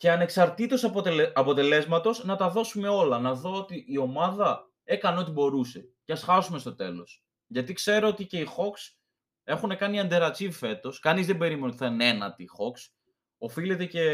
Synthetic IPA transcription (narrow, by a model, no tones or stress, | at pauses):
ceɐne̞ksɐɾt̪it̪o̞sɐpɐpo̞t̪e̞le̞zmɐt̪o̞znɐt̪ɐðo̞sume̞o̞lɐnɐðo̞ot̪iʔːo̞mɐðɐ | e̞kɐneo̞t̪ibo̞ɾuse̞ceɐsxɐsumest̪o̞t̪e̞̰lo̞s | ʝɐt̪ikse̞ɾoot̪ice̞ixo̞ks | e̞xune̞kɐniɐnd̪e̞ɾɐt͡sivfe̞t̪o̞skɐnizðembe̞ɾimenot̪θɐnenɐ̰t̪ixo̞ks | o̞filet̪e̞ce̞